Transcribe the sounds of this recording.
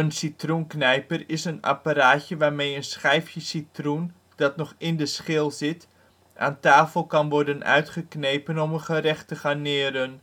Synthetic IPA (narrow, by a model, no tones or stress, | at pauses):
ənsitrunknɛjpərɪsəna̰paɾaːtjəʋaːrmejənsχɛjfjəsitrun | d̥ɑtnɔχɪndəsχɪlˠzɪt | ʔa̰ːntaːfəlˠkɑnʋɔrdənœ̰ɥtχəknejpənɔmənχəɾɛxtəχanɪəɾən